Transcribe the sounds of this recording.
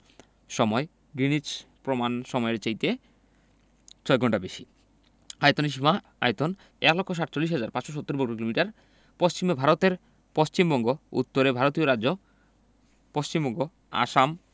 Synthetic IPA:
ʃɔmɔe | ɡɾinit͡ɕpɾomanʃɔmɔeɾt͡ɕejt̪e | t͡ɕʰɔeɡʱɔɳʈabeʃi | ajt̪oniʃ̬ma | a̰jt̪on | ɛklɔkʰːoʃ̬aʈt͡ɕolːiʃɦad͡ʑaɾpat͡ɕʃoʃ̬ot̪ːoɾbokɾokilomiʈaɾ | post͡ɕimebʱaɾot̪eɾ | post͡ɕimbɔŋɡoṵt̪ːoɾebʱaɾot̪ioɾad͡ʑd͡ʑo | post͡ɕimbɔŋɡo | a̰ʃam

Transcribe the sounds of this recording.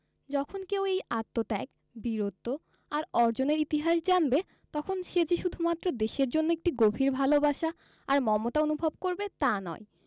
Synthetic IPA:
d͡ʑɔkʰonkewejat̪ːot̪ɛk | biɾot̪ːo | aɾɔɾd͡ʑoneɾit̪iɦaʃd͡ʑanbe | t̪ɔkʰonʃed͡ʑeʃud̪ʱumat̪ːɾod̪eʃeɾd͡ʑonːoek̚ʈiɡobʱiɾbʱalobaʃaː | ɾmɔmot̪aonubʱob̚koɾbet̪anɔ̰e

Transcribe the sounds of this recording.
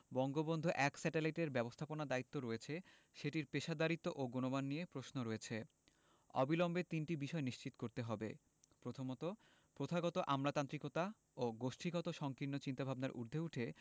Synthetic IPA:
bɔŋɡobond̪ʱoʔɛksɛʈelajʈeɾbɛbost̪ʰaponad̪ait̪ːoɾɔet͡ɕʰe | ʃeʈiɾpeʃad̪aɾit̪ːoʔoɡonobanːiepɾoʃnoɾɔet͡ɕʰe | ɔ̰bilombet̪inʈibiʃɔeniʃt͡ɕit̪o̥koɾt̪eɦɔbḛ | pɾot̪ʰomɔt̪o | pɾot̪ʰaɡɔt̪oʔamlat̪ant̪ɾikot̪a | oɡoʃʈʰiɡɔt̪oʃɔŋkinːot͡ɕint̪abʱabnaɾʔṵɾd̪ʱeuʈʰe

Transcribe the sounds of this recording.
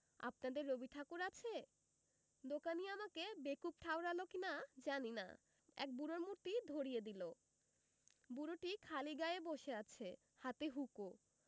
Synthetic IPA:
a̰p̚nad̪eɾːobiʈʰakuɾat͡ɕʰe | d̪okaniamakebekup̚ʈʰaoɾalokinad͡ʑanina̰ | ɛ̰k̚buɾoɾmuɾt̪id̪ʱoɾijed̪ilo | buɾoʈikʰaliɡaeboʃeat͡ɕʰe | hat̪eɦuko

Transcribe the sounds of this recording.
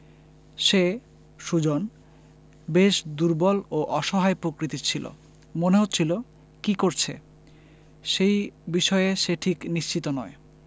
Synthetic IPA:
ʃe | ʃud͡ʑon | beʃd̪uɾbɔloʔɔʃɔɦaepɾokɾit̪it͡ɕʰilo̰ | moneɦot̪ːt͡ɕʰilo | kikoɾt͡ɕʰe | ʃejbiʃɔeeʃeʈʰikniʃt͡ɕit̪onɔe

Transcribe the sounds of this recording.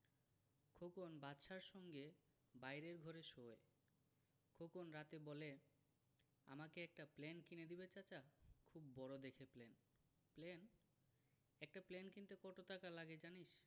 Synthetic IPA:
kʰokonbat̪ːʃaɾʃɔŋɡe | bajɾeɾɡʱɔɾeʃoe | kʰokonɾat̪ebɔle | a̰makeɛk̚ʈaplenkined̪ibet͡ɕat͡ɕakʰubːɔɽod̪ekʰeplen | plen | ɛk̚ʈaplenkint̪ekɔʈot̪akalaɡed͡ʑaniʃ

